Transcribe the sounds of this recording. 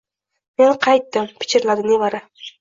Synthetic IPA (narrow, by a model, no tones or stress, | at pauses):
menqʰɑjt̪ːɪmpʰɪ̥t͡ʃʲɪɾlaɾɪnɪvaɾɪ